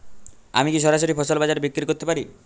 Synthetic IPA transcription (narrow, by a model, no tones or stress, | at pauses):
a̰mikiʃ̬ɔɾaʃ̬oɾipʰɔsɔlbad͡ʒaɾbikɾikoɾt̪epaɾi